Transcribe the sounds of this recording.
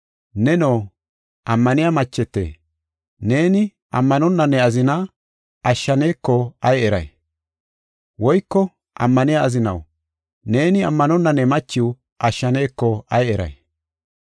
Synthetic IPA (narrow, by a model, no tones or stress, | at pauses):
nɛnoː | ʔɐmːɐnɪjamɐt͡ʃːɛt̪ːḛː | ne̞ːnɪ | ʔɐ̰mːɐnɔnːɐnːɛɐzɪnɐ | ɐʃːɐne̞ːkːɔɐjɛɾɐ̰j | wɔjkːɔ | ʔɐ̰mːɐnɪjaːzɪnɐ̰w | ne̞ːnɪɐmːɐnɔnːɐnːɛmɐt͡ʃːɪw | ʔɐʃːɐne̞ːkːɔɐjɛɾɐ̰j